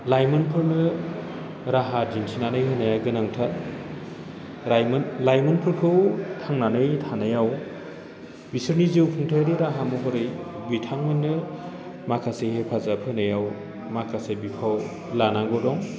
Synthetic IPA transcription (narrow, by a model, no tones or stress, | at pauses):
lajmɯnpʰɯɾnɯ | ɾaɦad͡ʒinsʰinanɯjɦɯnajaɡɯnaŋtʰat | jlajmɯnpʰɯɾkʰɯwtʰaŋnanɯjtʰanajaw | bisɯɾniziwpʰɯŋtʰajaɾiɾaɦamuɡɯɾɯjbitʰaŋmɯnːɯ | makʰasehepʰazapʰɯnɯjaw | makʰasebipʰaw | lanaŋɡɔdɔŋ